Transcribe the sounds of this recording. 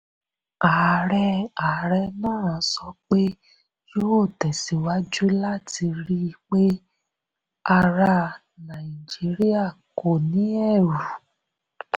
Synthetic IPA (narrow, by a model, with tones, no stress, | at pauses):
a˨ɾɛ˧a˨ɾɛ˧nãː˦˨a˨˧sɔ˧k͡pe˦ | joː˦o˦˨tɛ˨si˨wa˦d͡ʒu˦la˦ti˧ɾi˦˧k͡pe˦ | a˧ɾa˧ | nã˨i˨d͡ʒi˨˦ɾi˦a˦˨ko˨nĩ˨˦ɛ˦˨ɾu˨